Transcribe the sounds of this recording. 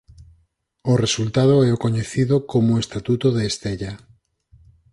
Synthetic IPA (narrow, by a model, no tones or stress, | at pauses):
oresult̪að̞oɛokoɲeθiðokomoest̪at̪ut̪oðeːst̪eʎa